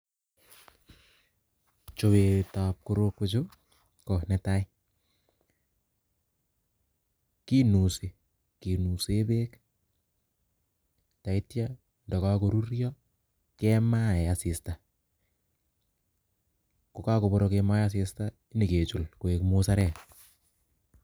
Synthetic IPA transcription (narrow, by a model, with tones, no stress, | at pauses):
t͡ʃo˨we˨ta˨p̚ko˦ɾo˧kːot͡ʃo˦ | kɔ˨nɛ˨tai˦ | ki˦nu˨se˨ | ki˨nu˨se˦be˦k | ta˨i˦tja˦ | ndɔ˨ka˦ko˨ɾu˦ɾjɔ | kɛma˦ɛasɪ˨sta˨ | ko˨ka˦ko˨bɔɾɔkema˦jas̬ɪ˧sta | i˦ni˨ke˨t͡ʃu˨lko˨e˨kmosa˦ɾɛ˦